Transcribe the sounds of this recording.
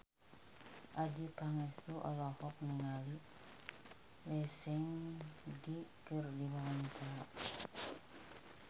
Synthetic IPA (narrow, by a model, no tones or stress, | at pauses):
ʔadipaŋɛst̪uʔɔ̰lɔhɔk̚nəŋali | lɛsɛŋdikərdiwant̪a